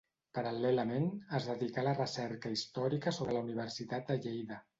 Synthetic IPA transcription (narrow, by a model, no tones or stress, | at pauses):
pəɾalɛləmenəzðəðikalərəsɛɾkəist̪ɔɾikəsoβɾələuniβ̞əɾsit̪at̪̚d̪əʎejðə